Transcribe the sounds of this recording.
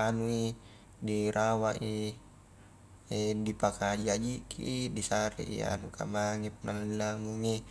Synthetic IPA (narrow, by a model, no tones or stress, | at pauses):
anui | diɾawaʔi | edipakad͡ʒiad͡ʒikʰḭidisaɾḭʔḭa̰nuka̰maŋɛp̚nalnamuŋi